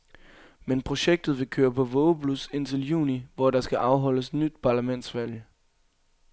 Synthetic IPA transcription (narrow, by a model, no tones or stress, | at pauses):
menpʰʁo̝ɕeɡ̥̚d̥ð̞̩ˠʋe̝kʰøːɐpʰɒ̽ʋɔːʊpʰluse̝n̰t͡sʰe̝ljṵːniʋɒdɑ̈sɡ̥æʔɑ̈ʊɦɒ̽l̰əsenyd̥̚pʰɑ̈ːlæmen̰d̥sʋæl̰j